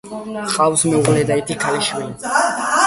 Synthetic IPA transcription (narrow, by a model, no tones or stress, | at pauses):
χʼawsmɛuʁlɛd̪ait̪ʼikʰaliʃwil